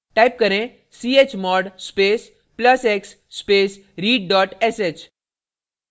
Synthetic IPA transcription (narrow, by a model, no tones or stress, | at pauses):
ʈajp̚kəɾẽ | siet͡ɕmɔɽspes | pləseksːpes | ɾiːɖɖɔːʈeset͡ɕ